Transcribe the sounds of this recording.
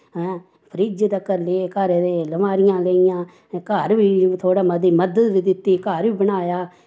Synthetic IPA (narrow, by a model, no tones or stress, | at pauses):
pʰɾid͡ʒt̪əkːəɾlekaːɾeːd̪eːləmaːɾɪjãːleɪjãː | kaːɾʋiːt̪ʰoːɽaːməd̪iːməd̪əd̪ʋiːd̪ɪt̪ːiːkaːɾiːbənaːjaː